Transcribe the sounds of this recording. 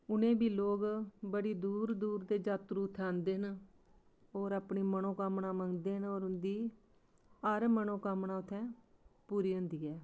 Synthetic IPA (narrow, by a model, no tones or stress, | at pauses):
ʊnẽːbiːloːɡbəɽiːd̪uːɾd̪uːɾd̪eːd͡ʒaːt̪ɾuːt̪ʰːãːnd̪eːɦən | oːɾaːpɳiːmənõːkaːmɳaːməŋɡd̪eːɦnoːɾʊnd̪iː | əɾmənõːkamɳaːʊt̪ʰːɛ̃ːpuːɾiːɦʊ̃nd̪iːɛː